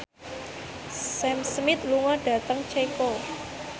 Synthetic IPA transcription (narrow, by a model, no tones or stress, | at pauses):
sɛmsmɪt̪̚luŋɔɖ̥ä̤t̪əŋt͡ʃeko